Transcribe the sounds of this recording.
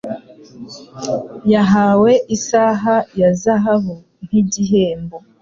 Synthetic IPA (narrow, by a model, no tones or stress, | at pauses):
jaɦaːwe̞ʔisaɦajazaɦaɦo | n̥iɟiɦeːmbo